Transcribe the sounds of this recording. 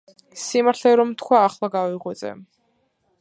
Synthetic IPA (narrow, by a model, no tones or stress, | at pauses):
simaɾt̪ʰlɛɾɔmt̪ʰkʰwaːχlˠaɡaviʁwɛt̪sʼɛ̰